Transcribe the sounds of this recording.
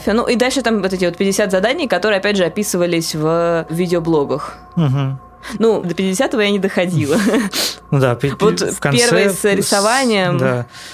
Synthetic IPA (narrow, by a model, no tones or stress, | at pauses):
fʲɪənṵʔid̪alʲʂɨt̪amvo̞t̪ɛtʲɪvot̪̚pʲɪdʲɪsʲat̪zɐd̪anʲɪjkɐt̪o̞ɾɨɪɐpʲædʲʐɨɐpʲisɨvəlʲɪsʲvəvʲidʲɪoblˠo̞ɡəx | m̩ɦ̩ | nud̪əpʲɪtʲɪdʲɪsʲat̪əvəjanʲɪd̪əxɐdʲilˠənud̪apvo̞t̪kɐpʲervəjəsɐɾʲɪsɐvanʲɪjəmd̪a